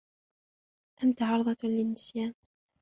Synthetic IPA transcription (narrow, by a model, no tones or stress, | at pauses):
ʔant̪aʕɑɾˤðˤɑlɪnːɪsjaːn